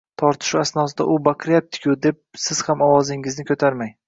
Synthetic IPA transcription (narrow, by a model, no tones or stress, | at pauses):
t̪ʰɒɾt̪ʰɪ̥ʃuasnɒsɪd̪a̰ʔʊbaqɨɾjap̚t̪ʰɪ̥kʲʰʊd̪e̞p̚sɪz̥hamɒwɒzɪŋɪznɪkʰot̪ʰaɾmaj